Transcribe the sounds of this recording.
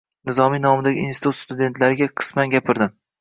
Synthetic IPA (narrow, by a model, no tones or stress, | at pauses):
nɪzɒmijnɒmɪd̪aɡʲɪḭnsi̥ɪt̪ut̪st̪ʊd̪e̞nt̪ʰlaɾɪɡʲaqʰɨ̥smanɡʲapʰɪɾd̪ɪm